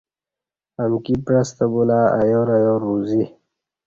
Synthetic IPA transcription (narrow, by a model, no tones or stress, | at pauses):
amkipɾast̪əbulaːajoɾajoɾuzi